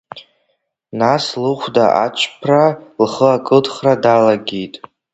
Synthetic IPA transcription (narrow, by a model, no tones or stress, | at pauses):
naslɨχʷdaʔa̰t͡ʃʷʰʼpʰralχəakʼɨdχradalaɡʲijtʼ